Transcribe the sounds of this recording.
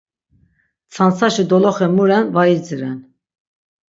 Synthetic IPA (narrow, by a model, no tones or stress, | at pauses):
t͡sʰant͡saʃid̪ɔlɔχɛmuɾɛnvajid͡ziɾɛn